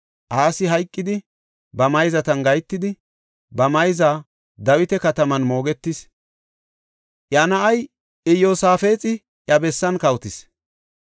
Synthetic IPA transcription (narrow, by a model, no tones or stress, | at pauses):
ʔaːsɪɦɐjkʼːɪd̪ɪ | bɐmɐjzɐt̪ɐnɡɐjt̪ːɪd̪ɪ | bɐmɐjzaː | d̪ɐwɪt̪ɛkɐt̪ɐmɐnmo̞ːɡɛt̪ːɪs | ʔjɐnɐʔɐj | ɪjoːsaːfe̞ːt͡sʼɪ | ʔjɐbɛsːɐnkɐwt̪ɪs